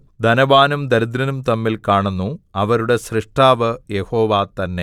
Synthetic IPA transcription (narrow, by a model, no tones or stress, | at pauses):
d̪ɐnɐʋaːnumd̪ɐɾud̪ɾɐnumt̪ɐmːilkaːɳunːuɐʋɐɾuɽe̞srɨʂʈaːʋɨjeho̞ːʋat̪ɐnːe